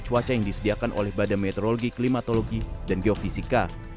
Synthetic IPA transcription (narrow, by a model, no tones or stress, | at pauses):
t͡ʃuat͡ʃajaŋdisədiakanʔo̰lɛhbadanmɛt̪oɾoloɡiklimat̪oloɡidanɡeofisika